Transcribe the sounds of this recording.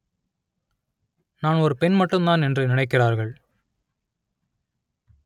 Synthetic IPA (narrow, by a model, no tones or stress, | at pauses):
naːnɔɾɯpɛnmɐʈːɯmd̪aːnɛndrɯnɪnɐɪk̬ːɪraːɾɣɐɭ